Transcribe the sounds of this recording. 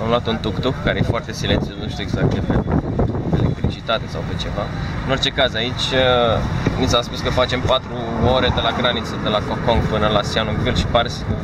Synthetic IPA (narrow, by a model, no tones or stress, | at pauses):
amloat̪unt̪ukt̪ukkːaɾejefoart̪e̞silent̪siuat̪nuʃt̪ueɡzak̚t̪t͡ʃet̪e | elḛk̚t̪ɾit͡ʃit̪at̪e̞sawvet͡ʃe̞vaɨnort͡ʃe̞kazait͡ʃʲənit̪saspuskəfat͡ʃe̞mpat̪ɾuoɾe̞d̪e̞laɡɾanit̪səd̪e̞lakokːo̞ŋɡpɨnəlasianuɡvilʃi̥parsʲ